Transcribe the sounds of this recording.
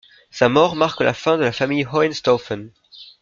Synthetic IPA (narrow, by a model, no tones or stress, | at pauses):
samɔʁmaʁkla̰fɛ̃d̪əlafamijʁɔɛnst̪ɔfɛn